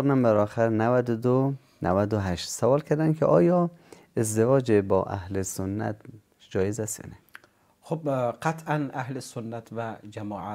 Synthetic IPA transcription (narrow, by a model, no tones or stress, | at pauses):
ɾnæmbæɾɒːxæɾnævæd̪od̪o | nʔæ̰væd̪oɦæʃt̪savɒːlkʰæɾd̪ænkʰeʔɒ̰ːjɒː | ezd̪evɒːd͡ʒebɒ̰ːʔæ̰hlesonːæ̰t̪ | d͡ʒɒːjezæsɒ̰ːne | xobqat̪ʰʔænahlesonːæt̪ʰvæd͡ʒæmɒːʕa